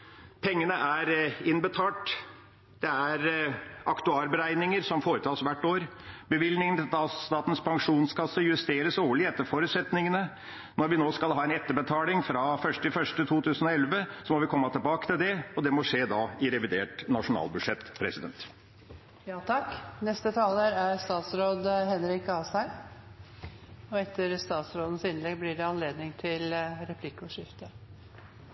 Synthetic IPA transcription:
pʰɛŋːənəʔæɾɪnbət̪ʰɑːʈ | d̪ɛæɾʔɑkt̪ʉɑːɾbəɾæɪnɪŋəɾsɔmfoːɾət̪ʰɑːsʋæʈːoːɾbəʋɪlnɪŋnt̪ɑst̪ɑːt̪n̩spʰɑŋʂuːnskɑsːəjʉst̪eːɾəsoːɭɪɛt̪ːəɾfɔɾʉt̪sɛt̪nɪŋənə | nɔɾʋɪnoːskɑlɦɑːɛnɛt̪ːəɾbət̪ʰɑːlɪŋfɾɑfœʂʈɪfœʂʈət̪ʰuːt̪ʰʉːsən̩ɔɛlʋəsɔmɔʋɪkʰɔmːət̪ʰɪlbɑːkət̪ɪld̪ɛɔd̪ɛmɔʂeːd̪ɑːɪɾɛʋɪd̪eːʈnɑʂʊnɑ̰ːlbʉd̪ʂɛt̪ːpʰɾɛsɪd̪ɛnt̪ | jɑːt̪ʰɑknɛst̪ət̪ʰɑːləɾæɾst̪ɑːt̪sɾoːd̪hɛnɾɪkʰːɑːsæ | ɔɛt̪ʰːəɾst̪ɑːt̪sɾoːd̪ən̩sɪnlɛɡblɪɖɛɑnleːd̪nɪŋt̪ʰɪlɾɛpʰlɪkːɔʂɪft̪ə

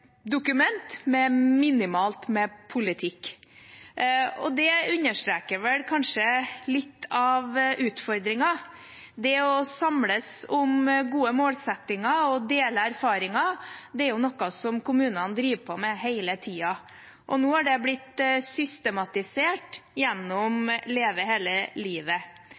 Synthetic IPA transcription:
d̪ʊkʉmɛnt̪mɛmɪnɪmɑːlt̪mɛpʰʊlɪt̪ʰɪkː | ɔ̰d̪ɛʉɲːəʂʈ̪ɾeːkəɾʋɛlkʰɑnʂəlɪt̪ːɑʋʔʉːt̪fɔɾd̪ɾɪŋɑ | d̪ɛɔsɑmləsɔmɡuːəmoːlsɛt̪ːɪŋɑɔd̪eːləæɾfɑːɾɪŋɑd̪ɛæɾjʊnɔkːɑsɔmkʊmʉːnənd̪ɾiːʋpʰɔmɛheɪlət̪ʰiːɑ | ʔɔnoːæɖɛblɪt̪sʏst̪ɛmɑt̪ɪseːʈjɛnːɔmleːʋəɦeːləliːʋə

